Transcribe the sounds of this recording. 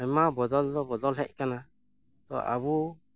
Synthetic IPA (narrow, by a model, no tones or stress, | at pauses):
ɛmabɔd̪ɔld̪ɔbɔd̪ɔlɦɛc̚kana | t̪ɔ̰ʔa̰bu